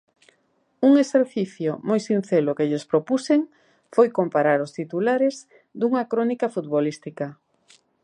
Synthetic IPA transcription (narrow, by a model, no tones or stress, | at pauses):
uŋeseɾθiθjʊmojsin̟θelʊkeʎespɾopuseŋ | fojkompaɾaɾʊst̪it̪ulaɾez | d̪uŋɐkɾonikɐfut̪βolist̪ikɐ